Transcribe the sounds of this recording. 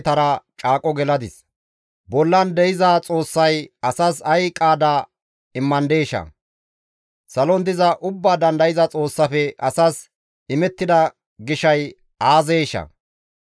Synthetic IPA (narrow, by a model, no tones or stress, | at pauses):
t̪ɐɾɐt͡ʃʼaːkʼɔɡɛlɐd̪ɪs | bɔlːɐnd̪ɛjɪzɐt͡sʼo̞ːsːɐjɐsɐsɐjkʼaːd̪ɐ | ɪmːɐnd̪e̞ːʃɐ̰ | sɐlɔnd̪ɪzɐʔʊbːaːd̪ɐnd̪ɐjɪzɐt͡sʼo̞ːsːɐfɛʔɐsɐs | ɪmɛt̪ːɪd̪ɐ | ɡɪʃɐj | aːzeːʃɐ̰